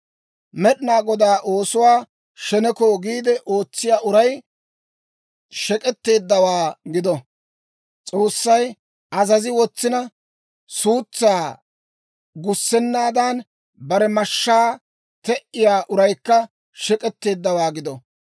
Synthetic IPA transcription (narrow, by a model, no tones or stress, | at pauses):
mɛɗɪnaːɡɔd̪aːʔo̞ːsʊwaː | ʃɛnɛkoːɡiːd̪ɛʔo̞ːt͡sːɪjaːʔʊɾɐj | ʃɛkʼɛt̪ːe̞ːd̪ːɐwaːɡɪd̪ɔ | t͡sʼo̞ːsːɐj | ɐzɐzɪwɔt͡sːɪnɐ | suːt͡sːaː | ɡʊsːɛnːaːd̪an | bɐɾɛmɐʃːaː | t̪ɛʔɪjaːʔʊɾɐjkːɐ | ʃɛkʼɛt̪ːe̞ːd̪ːɐwaːɡɪd̪ɔ